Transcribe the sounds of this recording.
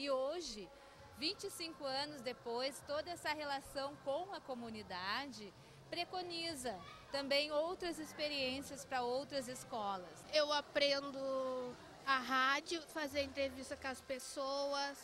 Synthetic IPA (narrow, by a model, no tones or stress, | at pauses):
ɪoʒɪ | vĩnt͡ʃɪsĩŋkʊɐ̃nʊzd̪epojst̪od̪ɐɛsɐɦelasɐ̃w̃kõw̃ɐkomũnid̪ad͡ʒɪ | pɾekonizɐt̪ɐ̃mbẽj̃owt̪ɾɐzespeɾiẽsiɐspɾɐowt̪ɾɐzɪskɔlɐsewapɾẽnd̪ʊ | aɦad͡ʒjʊfazeɾɐẽnt̪ɾevist̪ɐkɐspesoɐs